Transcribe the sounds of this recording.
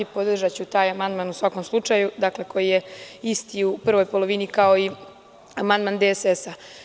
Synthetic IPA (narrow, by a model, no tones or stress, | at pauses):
ipo̞d̪r̩ʒat͡ɕut̪aːjamand̪manusʋako̞mslˠut͡ʂajud̪akle̞ko̞jijeist̪iupr̩ʋo̞jpo̞lˠo̞ʋinikao̞i | amand̪mand̪esesa